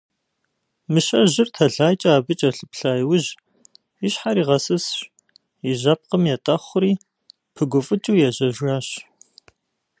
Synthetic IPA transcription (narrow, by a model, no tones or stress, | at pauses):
mɨʃɐʑɪrtʰɐɮaːjt͡ʃʼɐaːbɨt͡ʃʼɐɬɨpɬaːjwʊʒ | ɪɕħaɾiːʁɐsɨsɕ | jɪʒɐp̚qəmjɛtʼɐχʷʊɾiː | pʰɨɡʷʊfʼɨt͡ʃʼuːjɛʑɐʒɣaːɕ